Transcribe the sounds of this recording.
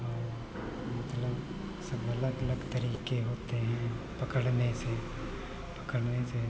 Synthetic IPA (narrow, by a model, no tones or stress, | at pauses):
ɔːɾ | mɐt̪ləb | sɐbʱɐləɡɐləɡt̪ɐɾiːkeɦoːt̪eɦɛ̃ | pɐkəɽnese | pɐkəɽnese